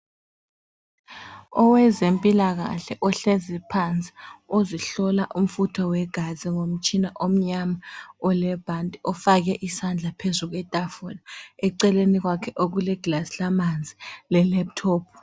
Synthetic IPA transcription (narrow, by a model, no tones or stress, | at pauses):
ɔwɛzempʼilaɣ̬a̰ɬɛʔɔɬezipʰant͡sʼi̥oziɬɔlaʔum̩futʰɔwɛɡ̥ʱaziŋom̩t͡ʃʰʼinaʔom̩ɲamaɔlɛb̥ʱantʼiɔfak̬ɛʔisand͡ɮʱapʰezuk̬wɛtʼafɔlaɛǀɛlenik̬wakʰɛʔok̬ulɛɡ̥lasilamand͡zʱilɛlɛp̚tʰɔːpʰ